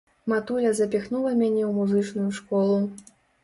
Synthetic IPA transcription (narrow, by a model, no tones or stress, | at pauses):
mat̪ulʲɐzɐpʲixnulˠɐmʲanʲɛwmuzɨt͡ʂnujuʂkɔlˠu